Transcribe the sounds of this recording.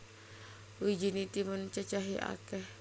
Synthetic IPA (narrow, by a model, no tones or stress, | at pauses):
wud͡ʒinit̪imənt͡ʃat͡ʃaɦiʔa̰kɛh